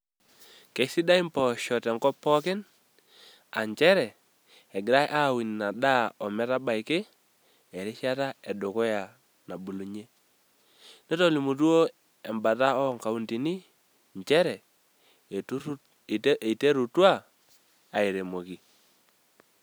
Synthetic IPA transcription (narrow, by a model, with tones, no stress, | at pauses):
ke˨˦sɪ˦da˦i˦mpɔ˨ʃɔ˨tɛ˨ŋkɔ˦pɔ˦kɪ˦n | a˨ɲt͡ʃɛ˦ɾɛ˨ | ɛ˨ɡɪ˨ɾa˦jʔa˦˨wi˨n˨na˨ɗa˦ɔ˨mɛ˦ta˦ba˨ɪ˨kɪ˦ | ɛ˨ɾɪ˦ʃa˦ta˦ɛ˨dʊ˨kɔ˦ja˨ | na˨bu˨lu˨ɲe˦ | ne˦tɔ˨li˨mu˨t̬u˦o˦ | ɛ˨mba˨ta˦ɔ˦ŋka˨u˦nti˨ni˦ | ɲt͡ʃɛ˦ɾɛ˨˦˨ | te˦ɾu˨twa˦ | a˨i˨ɾe˨mo˨ki˨